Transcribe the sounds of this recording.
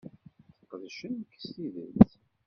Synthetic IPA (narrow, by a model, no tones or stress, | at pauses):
θəqːəðʃənːkːə̥stiðə̰t̪